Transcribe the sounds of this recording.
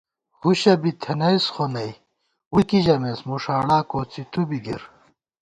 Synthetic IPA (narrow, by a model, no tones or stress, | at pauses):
huɕɐbit̪ʰenɐjsχonɐj | wukiʑɐmesmuʂaːɽaːkoːt͡sit̪ubiɡḭɾ